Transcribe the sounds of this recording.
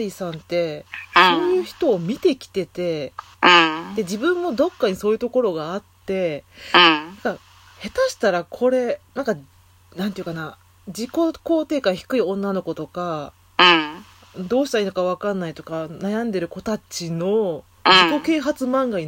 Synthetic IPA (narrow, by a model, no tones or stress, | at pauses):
ɾʲisãnt̪e̞so̞ːjɯ̟ːçi̥t̪o̞ːmʲit̪e̞kʲi̥t̪e̞t̪ẽ̞ | d̪e̞d͡ʑibɯ̟̃mːo̞d̪o̞kːaɲ̟iso̞ːjɯ̟t̪o̞ko̞ɾo̞ɡaːt̪ːẽ̞ | nãka | he̞t̪aɕi̥t̪aɾakʰo̞ɾe̞nãŋka | nãnt̪eiɯ̟kana | d͡ʑiko̞ko̞ːt̪e̞ːkaçi̥kɯ̟iõ̞nːano̞ko̞t̪o̞kã | d̪o̞ːɕi̥t̪aiːnokaβ̞akanːait̪o̞kanajãnd̪e̞ɾɯ̟ko̞t̪at͡ɕino̞ | d͡ʑiko̞ke̞ːɦat͡sɨmãŋɡai